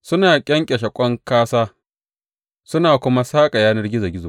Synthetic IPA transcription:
sʊ˦naː˨kʲʼɐ˦ŋkʲʼɛ˨ʃɐ˨kʷʼɔ˦ŋkaː˦saː˦ | sʊ˦naː˨kʷʊ˦ma˦saː˦kʼa˨jaː˦nɐ˦rɡʲɪ˦za˨ɡʲɪ˦zo˨

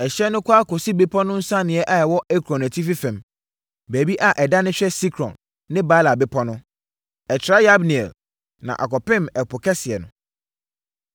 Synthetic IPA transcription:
ɛ˨ɕɛ˦nʊ̃˦kʰʷa˦kʰɔ˨si˦be˦pʰɔ˦nʊ̃˦n̩˦sã˦nɪ̃˨ɛ˦ʔa˦ɛ˨wɔ˦ɛ˦kʰɾɔ̃˨næ˨tʰi˦fi˦fɛ̃˨m | bæː˨bi˦ʔa˨ʔɛ˨da˦nɪ̃˦ɕᶣɛ˦si˦kʰɾɔ̰̃˨nː | ɪ̃˦ba˦la˨bɪ˦pʰɔ˦nʊ̃˦ | ɛ˨t͡ɕʰɪ˨ɾa˦ja˦bni˨ɛ̰˨l | nã̰˨ʔa̰˨kɔ˨pɪ̃˦mɛ˨pʰʊ˨kʰɛ˦sɪ˨ɛ˨nʊ̃˨

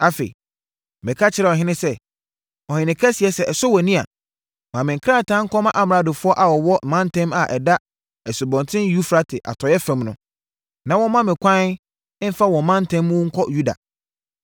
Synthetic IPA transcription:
a˦fḛ˨i˨ | mɪ̃˨kʰa˦t͡ɕʰɪ˨˦ɾɛ˦˨ɔ˨ɦɪ̃˦nɪ̃˦sɛ˦ | ɔ˨hɪ̃˨nɪ̃˨kʰɛ˦si˨ɛ˨˦sɛ˦ɛ˨sʊ˦wɔ˨nĩ˦a̰˨ | mã˨mɪ̃˨kʰɾa˦˨tʰã˦ŋ̩˦kʰɔ˦mã˦ʔa˦m˨ɾa˨˦dʊ˨fʊ˦ɔ˦ʔa˨wɔ˨wɔ˦˨mã˦n˦tʰɛ̃˦ma˨ʔɛ̰˨da˦ | ɛ˨sʊ˨bɔ̃˨ntʰɪ̃˦ju˦fɾa˦tʰɪ˨ʔa̰˨tʰɔ˨jɛ˦fɛ̃˨˦mnʊ̃˦ | nã˨wɔ̃˦mã˦mɪ̃˨kʷʰã˦ | fa˦wɔ̃˨˦mã˦n˦tʰɛ̃˦m˦ʊ̃˦ŋ̩˦kʰɔ˦ju˦da̰˨

